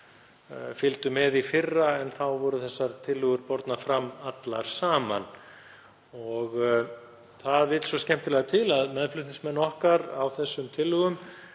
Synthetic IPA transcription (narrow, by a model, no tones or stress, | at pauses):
fɪlt̪ʏmɛðifɪrːaɛnθawvɔɾʏθɛsːaɾt̪ʰɪlːʏɣʏɾpɔɾt̪nafɾamːat̪laɾ̥saːman | ɔɣ | θaðvɪt̪lsɔscɛm̥t̪ɪlɛɣat̪ʰɪlaðmɛðflʏht̪ñŋsmɛnːɔhkaɾawθɛsːʏmt̪ʰɪlːʏɣʏm